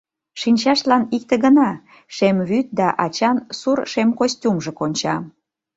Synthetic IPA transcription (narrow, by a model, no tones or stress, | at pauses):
ʃinʲt͡ɕɑʃlɑnik̚t̪ĕɣənɑ | ʃemβyt̪̚d̪ɑʔɑt͡ɕɑnsurʃemkosʲtʲumʒə̆konʲt͡ɕɑ